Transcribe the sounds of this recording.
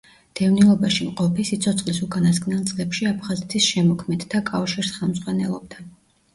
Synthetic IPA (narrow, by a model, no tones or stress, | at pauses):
d̪̥ɛvnilˠɔbaʃimqʼɔpʰisit̪sʰɔt̪sʰχʼlisukʼanaskʼnɛlˠt̪sʼlɛpʃiapʰχazɛt̪ʰisʃɛmɔkʰmɛd̪ːʰakʼafʃiɾsχɛlˠmzʁwanɛlˠɔb̚d̪a